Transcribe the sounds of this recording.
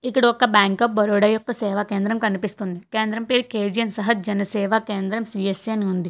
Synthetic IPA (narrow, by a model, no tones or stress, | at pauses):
ikːiɽokːɐbaːŋkɐp̚bɐɾoːɽɐjuk̚t̪ɐseːʋaːkeːnd̪ɾɐmkɐnipist̪und̪ikeːnd̪ɾɐmpeːɾkeːd͡ʒijɐnsɐɦɐd͡ʒɐnɐseːʋakeːnd̪ɾɐmsiesenɦund̪i